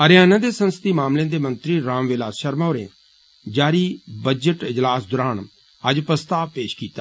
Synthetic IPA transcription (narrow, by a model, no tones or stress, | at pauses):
əɾɪjaːnãːd̪eːsə̃nsət̪iːmaːmlẽːd̪eːmə̃nt̪ɾiːɾãːmʋɪlaːsʃəɾmaːɾḛ̃ | d͡ʒaːɾiːbəd͡ʒəʈɪd͡ʒlaːsd̪ʊɾaːn | əd͡ʒpɾəst̪aːʋpeːʃkiːt̪aː